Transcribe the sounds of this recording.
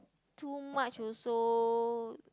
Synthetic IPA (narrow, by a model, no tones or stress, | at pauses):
t̪umãʔt͡ʃoso